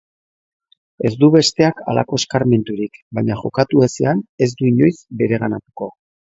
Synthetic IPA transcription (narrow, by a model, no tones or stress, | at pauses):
e̞zd̪uβe̞st̪e̞aka̰la̰ko̞eskaɾme̞nt̪uɾikbaɲaʝo̞kat̪ueseane̞zd̪uiɲo̞jsbe̞ɾe̞ɣanat̪u̥ko̞